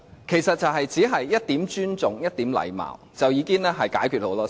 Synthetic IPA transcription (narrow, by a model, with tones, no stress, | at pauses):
kʰe˨˩jsɐ˨t̚t͡sɐ˨wɦɐ˨jt͡siː˨˥ɦɐ˨jːɐ˥t̚t̪iː˨˥mt͡ʃyː˥nt͡sʊ˨ŋjɐ˥t̚t̪iː˨˥mlɐ̰˨˩jma̰ː˨˩wt͡sɐ˨wjiː˨˧kiː˥nlɛː˥ɦɐ˨jkaː˨˥jkʰy˨t̚ho˨˥wlɔː˥